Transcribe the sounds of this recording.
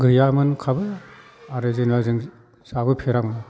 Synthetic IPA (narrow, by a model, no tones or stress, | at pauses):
ɡɯjamɯnkʰabɯ | aɾezenwazɯŋ | sabɯpʰeɾamɯn